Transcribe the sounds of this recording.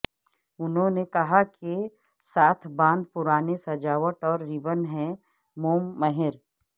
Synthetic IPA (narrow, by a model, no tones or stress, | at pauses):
ʊnɦõnekɐɦake | saːt̪ʰbãːnd̪̚pʊɾaːnesɐd͡ʒaːʋəʈɔːɾːibənɦɛ̃ | moːmːəɦɪɾ